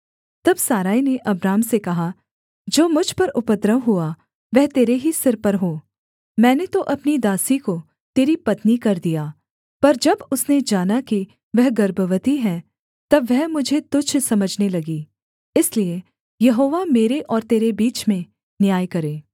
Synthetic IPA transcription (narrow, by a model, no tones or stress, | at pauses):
t̪ɐbsaːɾaːineʔɐbɾaːmsekɐɦa | d͡ʒoːmʊd͡ʒʱpɐɾʊpəd̪ɾəʋɦʊa | ʋɛɦt̪eːɾeɦisɪɾpɐɾɦoː | mɛ̃ːnet̪oʔɐpnid̪aːsiko | t̪eːɾipɐt̪nikɐɾd̪ijaː | pɐɾd͡ʒɐbʊsned͡ʒaːnaki | ʋɛɦɡɐɾbəʋət̪iɦɛ̃ | t̪ɐbʋɛɦmʊd͡ʒʱet̪ʊd͡ʒʰsɐməd͡ʒʱnelɐɡiː | ɪslie | jɐɦoːʋameːɾeʔɔːɾt̪eːɾebiːt͡ʃmẽ | njaːjkɐɾẽː